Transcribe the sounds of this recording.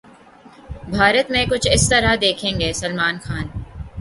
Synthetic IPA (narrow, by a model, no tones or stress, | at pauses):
bʱaːɾət̪mẽkʊt͡ʃʰɪst̪ɐɾad̪eːkʰẽːŋɡeːsɐlmaːnxaːn